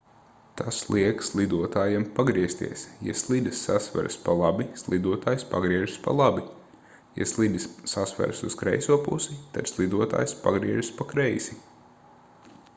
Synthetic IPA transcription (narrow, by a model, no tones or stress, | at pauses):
t̪ʰaslˠiɛkslˠid̪uɔt̪aːjempaɡɾiɛst̪ḭɛsja̰slˠid̪sːasva̰ɾspalˠabislˠid̪uɔt̪aːjspaɡɾiɛʒspa̰lˠabi | ja̰slˠid̪əsːasva̰ɾsuskɾɛjsuɔpṵsit̪ad̪slˠid̪uɔt̪a̰ːjspa̰ɡɾiɛʒspakɾɛjsi